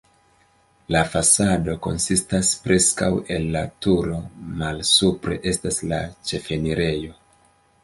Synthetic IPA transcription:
lafasado̞ko̞̰nsistaspɾe̞ska̰we̞lːatuɾo̞malsupɾe̞̰ʔe̞stasla̰t͡ʃe̞fe̞niɾe̞jo̞

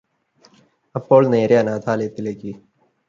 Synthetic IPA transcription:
ɐpːoːlnẽːɾjanaːt̪ʰaːleːt̪ɪleːkiː

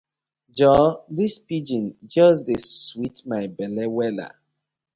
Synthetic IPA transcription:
d͡ʒɔðispid͡ʒĩnd͡ʒɔs̬deswitmaɪbɛlɛwɛla̰

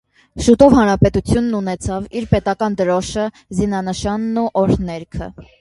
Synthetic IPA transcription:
ʃut̪ɔvhɑnɾɑpɛt̪ut͡sʰjunːunɛt͡sʰɑviɾpɛt̪ɑkɑnd̪əɾɔʃə | zinɑnəʃɑnːuʔɔɾnɛɾkʰə̰

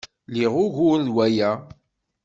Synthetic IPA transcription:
liʁʊʝʊɾðwæjæ

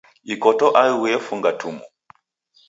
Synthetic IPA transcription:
ikɔtɔʔawɛfuŋɡatʰumu

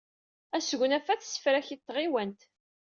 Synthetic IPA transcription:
æsəɣʷnæfæθsə̥fɾæçit̪ːʁiwænt̪

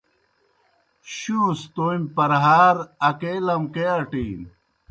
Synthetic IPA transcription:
ɕuːst̪omʲpɐɾɦaːɾɐkelɐmkeɐʈiːn

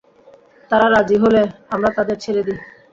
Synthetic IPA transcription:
t̪aɾaɾad͡ʑiɦoleamɾat̪ad̪eɾt͡ɕʰeled̪i

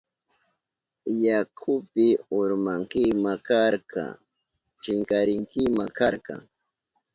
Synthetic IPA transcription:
jakʰʊpɪʊɾmaŋkɪmakaɾkɑ̰ | t͡ʃɪŋkaɾɪŋkɪmakaɾkɑ̰ŋ

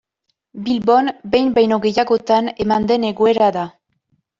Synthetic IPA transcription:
bilbo̞nbe̞jmbajno̞ɣe̞jaɣo̞t̪ane̞mand̪e̞ne̞ɣoe̞ɾaða

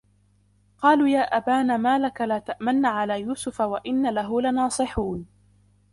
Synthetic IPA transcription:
qɑːluːjaːʔabaːnamaːlakalaːt̪aʔmanːaʕalaːjuːsʊfawaʔɪnːalaɦʊlanɑːsˤɨħuːn

